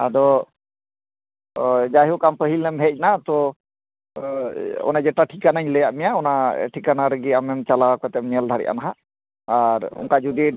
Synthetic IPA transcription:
ad̪ɔ | d͡ʒaɦukampəɦilnɛmɦɛc̚ˀnat̪ɔ | ɔ̰nad͡ʒɛʈaʈʰikanaɲləjaʔmɛjaɔnaʈʰikanaɾəɡiamɛmt͡ʃalawakɔt̪ɛm̚ɲɛld̪ʱaɽɛ̰ʔa̰naɦa | aɾɔ̰ŋkad͡ʒud̪ɛ

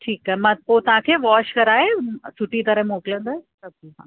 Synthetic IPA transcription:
ʈʰiːkaemãːpot̪ɐʋ̤ãkʰeːʋaːʃkɐɾaːɦesʊʈit̪ɐɾə̃ɦmoːkɪlə̃nd̪əsɐb̚iɦã̰ː

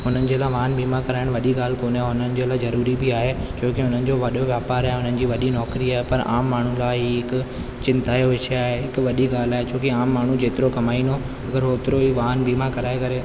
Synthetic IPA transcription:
ɦʊn̤ənɪ̆d͡ʑeːlaːʋaːɦənbʱiːmãkɐɾaːɪɽ̃ʋɐɗiɡaːl̤koːnaɦʊnənɪ̆d͡ʑeːlaːzɐɾuːɾibɪaːɦet͡ɕoːkeɦʊn̤ənɪ̆d͡ʑoːʋɐɗjoʋjaːpaːɾaːɦeʊnənɪ̆d͡ʑiːʋɐɗinɔːkɾiaːɦepɐɾa̰ːmːaːɳ̤ũlaːɦiɦɪkʊ | t͡ɕɪ̃nt̪aːjoʋɪʃaːɦeɦɪkʊʋɐɗiɡaːl̤aːɦet͡ɕʰoːkeaːmːaːɳ̤ũd͡ʑeːt̪ɪɾokɐmaːino | ɐɡəɾɦoːt̪ɪɾoiːʋaːɦənbiːmãkɐɾaːekɐɾe

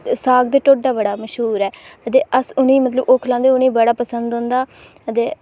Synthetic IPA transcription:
saːɡ̚d̪eːʈoːɖaːbəɽaːməʃɦuːɾɛːət̪eːʔəsʊnĩːmət̪ləboːkʰlãːnd̪eːʊnĩːbəɽaːpəsənd̪ɦõːnd̪aː | ət̪eː

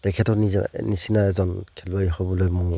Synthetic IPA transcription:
tekʰetʰɔninisinaezɔnkʰilbajɦɔbulojmuŋ

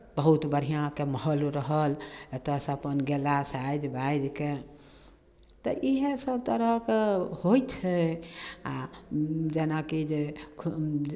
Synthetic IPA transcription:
bəɦut̪bəɾ̤ijãkeməɦəlɾəɦəlet̪əsəpənɡelasajd͡ʒbajd͡ʒ̪ke | t̪ɔʔiɦesəb̚t̪əɾəkehojt̪ʰɛ | a | d͡ʒenakid͡ʒe

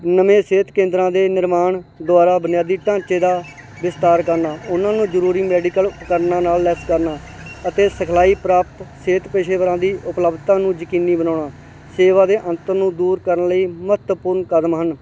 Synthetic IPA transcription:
nəmẽːseːt̪kẽːnd̪ɾãːd̪eːnɪɾmaːɳd̪oaːɾaːbənɪjaːd̪iːʈãːt͡ʃeːd̪aː | ʋɪst̪aːɾkəɾnaːʊnãːnũːzəɾuːɾiːmɛːɖiːkəlkəɾnãːnaːlːɛskəɾnaː | ət̪eːsəkʰlaːiːpɾaːp̚t̪seːt̪peːʃeːʋəɾãːd̪iːʔʊpləbt̪ãːnũːd͡ʒəkiːniːbənaːɳaː | seːʋaːd̪eːʔə̃nt̪əɾnũːd̪uːɾkəɾənləiːmət̪pʊɾnkəd̪mɦən

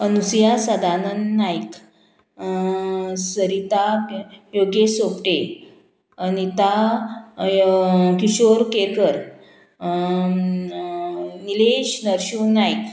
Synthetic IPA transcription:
ənusjasad̪anənːajk | səɾit̪ajoɡesopʈe | anit̪a | kiɕoɾkekəɾ | nileɕnəɾɕunajk

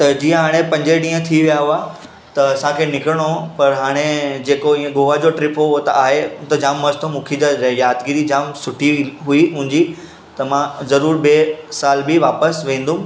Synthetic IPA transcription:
t̪ɐd͡ʑĩːə̃ɦaːɽ̃epɐ̃ɲd͡ʑeɗĩːə̃t̪ʰiʋijaɦua | t̪ɐsãkʰeːnɪkɾəɽ̃opɐɾɦaːɽ̃ed͡ʑeːkoĩːə̃ɡoːʋad͡ʑoʈɾɪpʰoʊɦot̪aːɦet̪ɐd͡ʑaːmːɐst̪ʰomũːkʰid͡ʑajaːd̪ɡiɾid͡ʑaːmsʊʈʰiɦuiɦʊ̃ɦɪɲd͡ʑi | t̪ɐmãzɐɾuːɾbeːsaːlbɪʋaːpəsʋẽːn̆d̪ũ

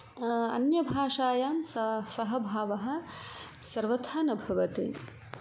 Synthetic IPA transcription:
ɐ̰njɐbʱaːʂaːjaːmssɐɦɐbʱaːʋɐɦɐ̆ | sɐɾʋɐt̪ʰaːnɐbʱɐʋɐt̪ḭ

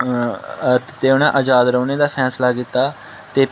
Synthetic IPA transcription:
t̪eːʊnãːʔəd͡ʒaːd̪ɾəːneːd̪aːpʰɛːslaːkɪt̪ːaː | t̪eː

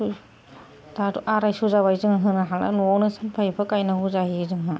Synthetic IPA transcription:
daduʔaɾajsuzaβajzɯŋɦɯnaɦala̰nɔnɯsanpʰajpʰɯkajnaɦuzaɦizɯŋɦɯ

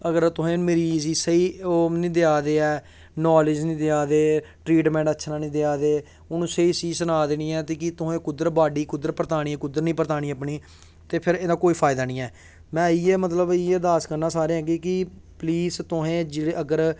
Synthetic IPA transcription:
əɡəɾt̪ʊɦẽːmɪɾiziːsəiːonĩːd̪eaːd̪eːɛː | naːlɪd͡ʒnĩːd̪eaːd̪eː | ʈɾiːʈmɛ̃ːɳʈətːʃʰnãːnĩːd̪eaːd̪eː | ʊnũːsəiːsiːsənaːd̪eːniːɛːt̪eːkɪt̪ʊɦẽːkʊd̪əɾbaːɖiːkʊd̪əɾpəɾt̪aːɽ̃iːkʊd̪əɾnĩːpəɾt̪aːɽiːəpɳiː | t̪eːpʰɪɾẽːd̪aːkoːiːpʰaːɪd̪aːnĩːɛː | mɛ̃ːiːeːmət̪ləbɪeːd̪aːskəɾnãːsaːɾẽːɦɛ̃ːɡiːkɪpliːst̪ʊɦẽːd͡ʒɪɽeəɡəɾ

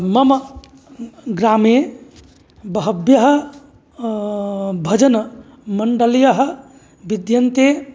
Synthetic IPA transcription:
mɐm | ɡɾame | bəɦəbjəɦ | bʱɐd͡ʒən | məɳɖəljəɦ | bid̪jənt̪e

